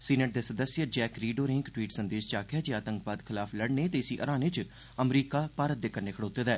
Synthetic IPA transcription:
siːneʈ̚d̪eːsəd̪əsjəd͡ʒɛːkɾiːɖoːɾɪ̃ŋkʈwiːʈsənd̪eːʃt͡ʃaːkɪaːd͡ʒeːaːt̪ə̃ŋkbaːd̪kʰɪlaːpʰləɽneːt̪eːɪsiʔə̰ɾaːnet͡ʃ | əmɾiːkaːpaːɾət̪̚d̪eːkəɾneːkʰəɽoːt̪eːd̪aɛː

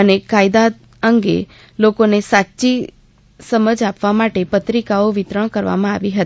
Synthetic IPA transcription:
ənekajd̪a | əŋɡḛ | lokonesatːt͡ʃi | səməd͡ʒapʋamaʈepət̪ɾikaoʋɪt̪ɾəɽ̃kəɾʋa̰mãaʋiɦət̪

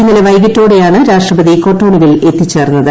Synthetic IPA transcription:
inːɐleʋɐjɡɐtːo̞ːɽejaːɳɨɾaːʂʈrɐbɐðiko̞ːʈːo̞ːɳiɣile̞t̪ːit͡ɕːe̞ːrnːɐðɨ

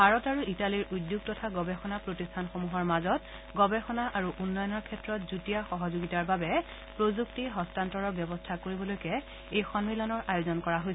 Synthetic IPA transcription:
bʱaɹɔtaɹuitaliɹʔudjuɡ̚tɔtʰaɡɔbɛxɔnapɹotistʰanxomuɦɔɹmazɔt | ɡɔbɛxɔnaʔaɹuʔunːɔjɔnɔɹkʰɛtɹɔtzutijaxɔɦɔzoɡitaɹbabɛ | pɹozuktiɦɔstantɔɹɔɹbjɔbɔstʰakoɹibɔlojkɛ | ejxɔnmilɔnɔɹʔajozɔnkɔɹaɦojsɛ

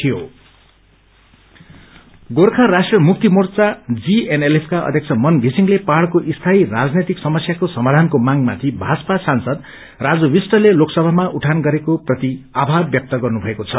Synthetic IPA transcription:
t̪ʰijo | ɡorkʰãrasʈrʌmuk̚t̪imort͡sad͡zienelepʰkaʌ̰d̪ʱjʌkt͡sʰʌmʌnɡʱisiŋlepaɽkoʔist̪ʰairad͡znet̪iksʌmʌsjakosʌmad̪ʱankomaŋma̰t̪ʰibʱad͡zʌpasansʌd̪ | rad͡zʌwisʈʌleloksʌbʱamaʔuʈʰanɡʌɾekoprʌt̪iabʱabjʌk̚t̪ʌɡʌrnubʱʌekot͡sʰʌ

